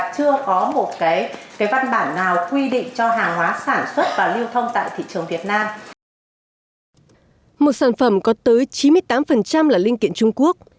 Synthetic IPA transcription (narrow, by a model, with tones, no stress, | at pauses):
t͡ɕɨ˧əkɔ˨˦mo˨˩t̚kaː˨˦jkaː˨˦jva˧nɓaː˧˩nːaː˨˩wkwi˧ɗḭ˧˨ŋ̟t͡ɕɔ˧ɦaː˨˩ŋɦwaː˨˦saː˧˩nswə˦˥t̚vaː˨˩li˧əwt̪ʰə˧wŋ͡mt̪a̰ː˧˨jt̪ʰḭ˧˨t͡ɕɨ˨˩əŋvi˨˩ət̚naː˧m | mo˨˩t̚saː˧˩nfə˧˩mkɔ˨˦t̪əː˨˦jt͡ɕi˨˦mɨ˧əjt̪aː˨˦mfə˨˩nt͡ɕa˧mlaː˨˩lï˧ŋki˧˨ənt͡ɕʊ˧ŋ͡mku˦˥ək̚